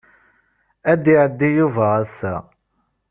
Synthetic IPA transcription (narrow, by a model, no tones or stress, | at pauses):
æd̪iʕəd̪ːijuvææsæ